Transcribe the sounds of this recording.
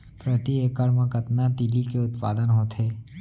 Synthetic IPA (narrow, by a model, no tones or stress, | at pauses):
pɾət̪iekəɾmãkət̪nat̪ilikeʊt̪pa̰ːd̪ənɦoːt̪ɦeː